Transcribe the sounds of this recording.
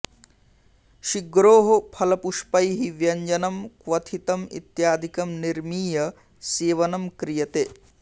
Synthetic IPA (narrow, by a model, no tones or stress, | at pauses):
ʃiɡɾoːɦopʰɐlɐpuʂpɐjɦiʋjɐɲd͡ʒɐnɐmkʋɐt̪ʰit̪ɐmḭt̪jaːd̪ʱikɐmniɾmiːjɐ | seːʋɐnɐmkɾijɐt̪eː